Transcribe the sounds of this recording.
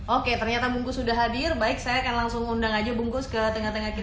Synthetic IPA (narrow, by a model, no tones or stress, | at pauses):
oket̪ərɲat̪abuŋkʊsudaɦadɪrbaɪk̚sajakanlaŋsʊŋundaŋad͡ʒabuŋkʊskət̪əŋaht̪əŋahki